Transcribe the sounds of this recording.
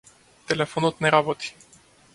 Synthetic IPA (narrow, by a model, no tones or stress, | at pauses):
t̪ɛlɛfɔnɔt̪nɛɾabot̪i̥